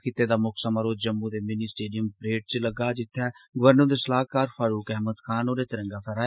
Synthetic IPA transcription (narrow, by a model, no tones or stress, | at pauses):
kʰɪt̪ːeːd̪aːmʊksəməɾoːd͡ʒəmːud̪eːmɪniːsʈeːɖɪjəmpɾeːʈ̚t͡ʃləɡaːd͡ʒɪt̪ʰːɛːɡʊʋəɾnõːd̪eːsəlaːɦkaːɾfʰaːɾuːkɛɦmət̪kʰaːnoːɾeːt̪ɪɾə̃ŋɡaːfʰɛɾaː